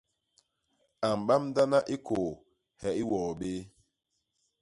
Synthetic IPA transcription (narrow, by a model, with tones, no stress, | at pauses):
a˨m˨ɓa˦mda˦na˦ʔi˦kʰo˨ | hɛ˨i˦wɔː˨ɓe˦